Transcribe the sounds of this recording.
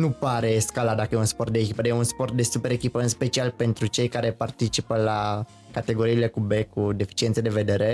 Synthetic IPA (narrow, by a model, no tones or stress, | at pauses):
nupaɾe̞skalad̪akəjeunspo̞rt̪̚d̪eːkʲipəd̪ejeunspo̞rt̪̚d̪e̞supe̞ɾekʲipəɨnspe̞t͡ʃialpe̞nt̪ɾut͡ʃe̞jkaɾe̞part̪it͡ʃipəla | kat̪e̞ɡo̞ɾiːle̞kube̞kud̪e̞fi̥t͡ʃient̪sed̪e̞ve̞d̪e̞ɾe̞